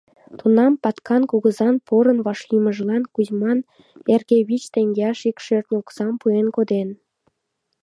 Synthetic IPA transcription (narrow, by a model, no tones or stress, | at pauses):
t̪unɑmpɑt̪kʰɑnkuɣəzɑnpʰoɾə̆nβɑʃliməʒlɑnkuzmɑn | erɣeβit͡ɕt̪eŋɡeɑʃikʃørt̪nʲoksɑmpuenkod̪en